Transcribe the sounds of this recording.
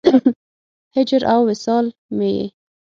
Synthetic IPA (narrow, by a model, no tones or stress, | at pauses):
hɪd͡ʒɾʔawːɪsɑlmejḛ